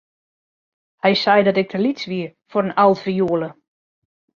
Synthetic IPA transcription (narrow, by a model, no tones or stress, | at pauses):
hɛjsɛjdɔtɪk̚tʰəlit͡sʋiəfoɾənalˠfəjuəlˠə